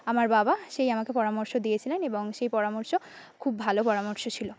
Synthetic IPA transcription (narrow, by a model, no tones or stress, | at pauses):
amaɾbabaʃejamakepɔɾamoɾʃod̪ijet͡ɕʰileneboŋʃejpɔɾamoɾʃokʰubːʱalopɔɾamoɾʃot͡ɕʰilo